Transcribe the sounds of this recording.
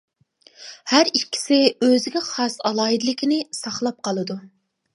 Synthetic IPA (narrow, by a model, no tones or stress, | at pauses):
hæɾikʲʰːi̥sɪøzɪɡʲɛχɑsɑlˠɑːɦid̪ɨlɪkʲʰinɪsɑχlˠɑp̚qʰɑlˠɨd̪u